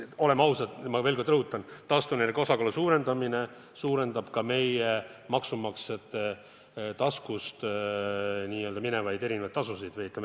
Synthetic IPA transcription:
o̞le̞mɑwsɑd̪mɑve̞ːlko̞rd̪ɤɦut̪ːˑɑnt̪ɑst̪uneɾekosɑkɑlusuːɾe̞nd̪̥ɑmine̞ | suːɾe̞nd̪̥ɑb̥kɑme̞jemɑksumɑkset̪ːˑe | t̪ɑskust̪ | nʲiːøld̪ɑmine̞vɑjd̪e̞ɾinevɑjd̪t̪ːɑsusid̪ejit̪lem

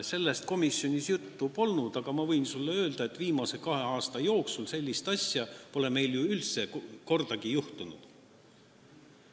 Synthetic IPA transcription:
se̞lːe̞st̪̚ko̞misjo̞nʲisjut̪ːupo̞lnud̪̥ɑɡ̥ɑmɑvɤjnsulːeø̞ːld̪̥ɑe̞t̪ːˑviːmɑse̞kɑɦe̞ɑːst̪ɑjo̞ːksulse̞lʲːist̪ɑsʲjɑpo̞le̞me̞jljuylt̪se̞ko̞rd̪̥ɑɡijuht̪unud̪̥

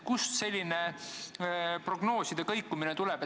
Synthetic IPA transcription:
kust̪se̞lʲːine | pro̞ɡ̥no̞ːsid̪̥ekɤjkːuminet̪ulɛb̥e

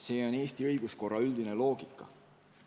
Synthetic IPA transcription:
se̞ːo̞ne̞ːst̪iɤjɡ̥usko̞rːɑyld̪̥ine̞lo̞ːɡ̥ikːˑɑ̰

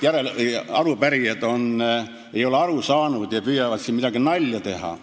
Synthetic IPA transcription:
jæɾelɑrupæriet̪on | eijoleɑrusɑːnud̪jɑpyjæʋɑt̪simit̪ækɡinɑlʲjɑt̪ehɑ̰

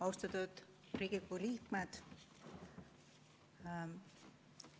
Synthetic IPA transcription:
ɑwst̪ɑt̪ud̪̥ | riːɡ̥ikuliːkmed̪̥

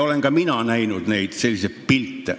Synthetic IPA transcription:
oleŋɡ̥ɑminænæinud̪næit̪selʲːiseppilt̪ːæ̰

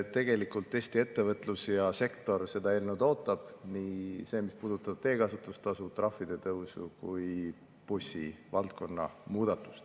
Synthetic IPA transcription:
t̪e̞ɡ̥e̞likult̪ːˑe̞ːsʲt̪ie̞t̪ːe̞vɤt̪ːˑlusjɑse̞kt̪o̞rse̞d̪̥ɑe̞ːlnud̪o̞ːt̪ːˑɑb̥nise̞ːmispuːd̪ut̪ːˑɑb̥̚t̪e̞ːkɑsut̪ːˑust̪ɑsut̪rɑfːid̪̥e̞t̪ɤwsṵkuj | pusʲivɑlt̪̚ko̞nːɑ̰muːd̪̥ɑt̪ːˑu̥st̪

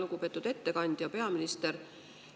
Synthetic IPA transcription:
luɡupe̞ːt̪ːud̪̥e̞t̪ːe̞kɑnʲd̪̥jɑpe̞ɑminist̪eɾ

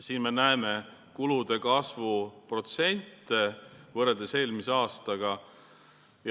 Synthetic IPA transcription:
siːnme̞næeme̞ | kulud̪̥e̞kɑsvupro̞t̪se̞nʲt̪ˑːevɤreld̪ese̞lʲmiseɑːst̪ɑɡ̥ɑ | j

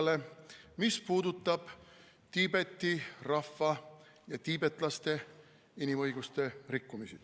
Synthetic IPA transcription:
le̞mispuːd̪ut̪ˑːɑb̥ | t̪iːbe̞t̪ːˑirɑfːɑjɑt̪iːbe̞t̪ːˑlɑst̪e̞ | inimɤjɡust̪e̞rikːumisid̪̥

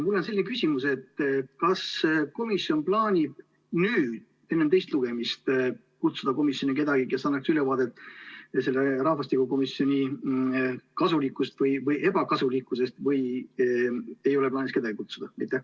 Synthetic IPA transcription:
mulːo̞nse̞lːinekysʲimuse̞t̪ːkɑsko̞misjo̞nplɑːnʲib̥ | nyːd̪̥ | e̞nːemt̪e̞jst̪luɡ̥e̞mist̪ | kut̪sud̪̥ɑko̞misjo̞nike̞d̪ɑɡ̥ike̞sɑnːɑksylevɑːd̪e̞t̪ːˑse̞lːeɾɑhvɑst̪ikuko̞miso̞nʲi | kɑsulikːˑust̪vɤjvɤjʔe̞bɑkɑsulikːˑuse̞st̪vɤj | e̞jo̞leplɑːnʲiske̞d̪ɑɡ̥ikut̪sud̪ɑmit̪ːˑe

